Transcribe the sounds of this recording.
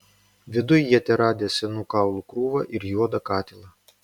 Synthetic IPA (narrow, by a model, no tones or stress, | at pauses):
ʋʲɪd̪ʊjːɛt̪ʲɛɾɑːd̪ʲesʲɛnuːkɑˑʊlˠukɾuːʋɐʔɪɾjuɔd̪ɐkɑːt̪ʲɪlˠɐ